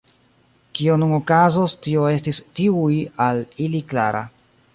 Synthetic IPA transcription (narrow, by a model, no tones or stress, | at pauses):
kio̞nuno̞kazostio̞e̞stistiujalilikla̰ɾʔa̰